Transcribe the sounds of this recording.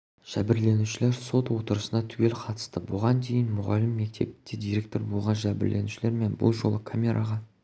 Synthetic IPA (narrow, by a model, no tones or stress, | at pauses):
ʒ̥æbɪɾle̞nuʃɪle̞ɾso̞t̪wo̞t̪əɾəsənɑt̪ʰʉwe̞lqʰɑt̪ə̥st̪əbolˠʁɑnd̪e̞jɪnmʊʁɑlɪmːe̞k̚t̪ʰe̞̰pt̪ed̪ijɾʲe̞k̚t̪o̞ɾbo̞lˠʁɑnʒæbɪ̰ɾle̞̰nuʃɪleɾme̞nbʊ̰lˠʒo̞lˠəkʰamʲe̞ɾʔaʁɑ